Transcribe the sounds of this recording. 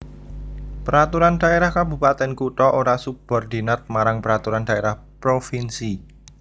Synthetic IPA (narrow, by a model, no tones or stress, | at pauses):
pəɾat̪uɾand̥a̤eɾahkabupat̪ɛnkuʈɔʔoɾasub̥ɔ̤rd̪̥inət̪̚maɾaŋpəɾat̪uɾand̥a̤eɾahpɾofinsi